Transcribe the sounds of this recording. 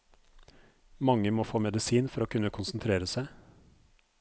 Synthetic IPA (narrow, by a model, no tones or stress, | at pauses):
mɑŋːəmoːfoːmɛd̪ɪsiːnfɔɾoːkʰʉnːəkʰʊnsn̩t̪ʰɾeːɾəsæɪ